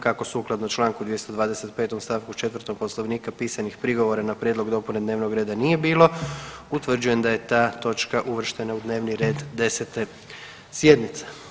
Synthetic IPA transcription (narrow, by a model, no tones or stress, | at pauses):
kako̞suːklˠad̪not͡ʃlˠaːŋkud̪ʋjest̪o̞d̪ʋaːd̪ese̞t̪pe̞ːt̪o̞mst̪aːʋkut͡ʃe̞t̪ʋvr̩t̪ompo̞slo̞ʋniːkapiːsanixpɾiɡo̞ʋo̞ɾanapɾjed̪lˠo̞ɡd̪o̞puned̪neʋno̞ɡɾeːd̪anije̞biːlˠo̞ut̪ʋr̩d͡ʑuje̞md̪aje̞t̪aːt̪o̞t͡ʃkaʔuʋr̩ʃt̪e̞naud̪ne̞ːʋniɾe̞ːd̪d̪e̞set̪e̞ | sje̞d̪nit̪se̥